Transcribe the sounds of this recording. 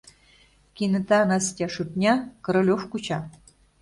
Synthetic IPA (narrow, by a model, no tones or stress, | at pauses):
kʲinɘ̆t̪ɑnɑsʲtʲɑʂut̪nʲɑkɤ̆ɾɤ̆lʲofkut͡ɕɑ